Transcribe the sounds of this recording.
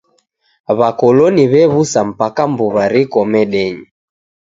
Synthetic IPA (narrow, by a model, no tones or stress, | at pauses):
βakɔlɔniβɛβusam̩pakambuβaɾikɔmɛɗɛɲi